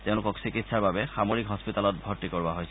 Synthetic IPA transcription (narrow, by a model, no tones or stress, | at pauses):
teʊ̃lʊkɔksikitsaɹbabɛxamoɹikɦɔspitalɔt̚bʱɔɹtːikɔɹbaɦojs